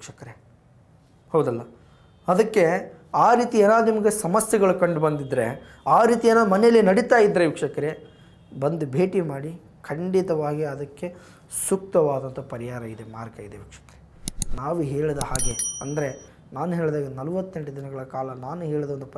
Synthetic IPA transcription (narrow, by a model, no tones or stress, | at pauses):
ikʂɐkɐɾe | hɐwd̪ɐlːɐ | ɐd̪ɐkːe̞aːɾiːt̪ieːnaːd̪unimɐɡe̞sɐmɐsjɐɡɐɭukɐɳɖubɐnd̪id̪ɾe̞̰ | aːɾiːt̪ieːnaːd̪umɐnejɐlːinɐɽit̪aːjid̪ːɾeʋikʂɐkɐɾe | bɐnd̪ubʱe̞ːʈimaːɽi | kʰɐɳɖit̪ɐʋaːɡiɐd̪ɐkːe̞ | suk̚t̪ɐʋaːd̪ɐnt̪ɐpɐɾiɦaːɾɐid̪e̞maːɾkɐid̪eʋikʂɐ̥kɐɾe | naːʋuɦe̞ːɭid̪ɐhaːɡeɐnd̪ɐɾe̞ | naːnuɦeːɭd̪aːɡenɐlɐʋɐt̪ːe̞ɳʈɐd̪inɐɡɐɭɐkaːlɐnaːnuɦe̞ːɭid̪ɐʋond̪up